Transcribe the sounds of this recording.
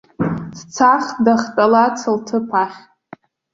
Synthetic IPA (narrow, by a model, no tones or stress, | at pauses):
st͡sʰaχdaχtʼalat͡sʰɨltʰɨpʰaχʲ